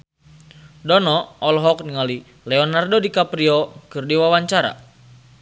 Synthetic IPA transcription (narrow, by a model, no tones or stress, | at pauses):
dɔnɔɔlɦɔk̚niŋali | lɛɔnardodikapɾiɔkɨrdiwawaɲt͡ʃaɾa̰